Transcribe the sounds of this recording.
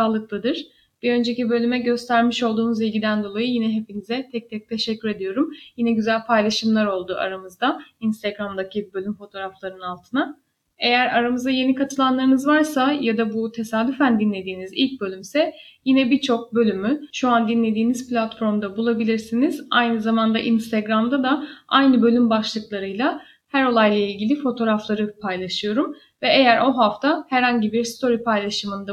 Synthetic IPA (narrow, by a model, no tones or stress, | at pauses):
saːlˠɯklˠɯd̪ɯɾ̥ | b̥iø̞nd͡ʒe̞cibø̞lʲymɛɟø̞st̪ʰæɾmiʃo̞lˠd̪uːnuzilʲɟid̪ænd̪o̞lˠajujinɛɦe̞pinizɛt̪ʰɛc̚t̪ʰɛc̚t̪ʰe̞ʃɛcʰːyɾe̞d̪ijo̞ɾumjinɛɟyzælʲpʰajlˠaʃɯmlˠaɾo̞lˠd̪uʔa̰ɾamɯzd̪ainst̪ʰaɡɾamd̪acʰibø̞lʲymfo̞t̪ʰo̞ːɾaflˠaɾɯnalˠt̪ʰɯna | e̞jæɾaɾamɯzd̪aje̞nikat̪ʰɯlˠanlˠaɾɯnɯzvaɾsajad̪abut̪ʰe̞saːd̪yfænd̪inlʲe̞d̪iːnizḭlʲc̚bø̞lʲymsɛjinɛbit͡ʃʰo̞k̚bø̞lʲymyʃuand̪inlʲe̞d̪iːnizplʲat̪fo̞ɾmd̪abulˠabilʲiɾsinizajnɯzamand̪aʔinst̪ʰeɡɾamd̪ad̪aajnɯbø̞lʲymbaʃlˠɯklˠaɾɯjlˠa | hæɾo̞lˠajlˠailʲɟilʲifo̞t̪ʰo̞ɾaflˠaɾɯpʰajlˠaʃɯjo̞ɾum | vɛejæɾʔo̞ɦaft̪ʰahɛɾhaɲɟibiɾst̪ʰo̞ɾipʰajlˠaʃɯmɯnd̪a